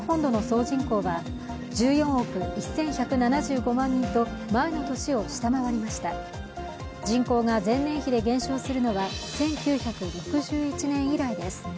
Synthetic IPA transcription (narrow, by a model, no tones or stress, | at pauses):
hõ̞nd̪o̞no̞so̞ːʑĩŋko̞ːβa | d͡ʑɨːjõ̞ɰ̃o̞kɯ̟isːẽ̞ɰ̃çakɯ̟nanaʑɨːɡo̞mãɲ̟ːĩnt̪o̞mae̞no̞t̪o̞ɕio̞ɕi̥t̪amaβaɾʲimaɕi̥t̪a | d͡ʑĩŋko̞ːɡazẽ̞nːẽ̞ɰ̃çid̪e̞ɡẽ̞ɰ̃ɕo̞ːsɨɾɯ̟no̞βasẽ̞ŋkʲɨːçakɯ̟ɾo̞kɯ̟ʑɨːit͡ɕinẽ̞ɰ̃iɾaid̪e̞sɨ̥